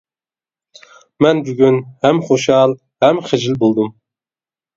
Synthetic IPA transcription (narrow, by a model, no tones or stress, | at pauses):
mɛnbyɡʲynhæmχoʃɑlˠ | hæmχɪd͡ʒɪlbolˠd̪ɨm